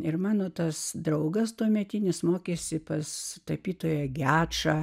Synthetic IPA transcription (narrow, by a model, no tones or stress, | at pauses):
ɪrmɑːnoːt̪ɐsd̪ɾɐʊɡɐst̪uɔmʲɛt̪ʲinʲɪsmoːkʲeːsʲɪpɐst̪ɐpʲiːt̪oːjɛɡʲæːtʃɑː